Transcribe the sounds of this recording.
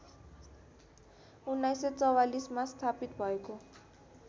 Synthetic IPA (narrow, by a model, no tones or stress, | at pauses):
unajset͡sɔwalismast̪ʰapit̪bʱɔjkɔ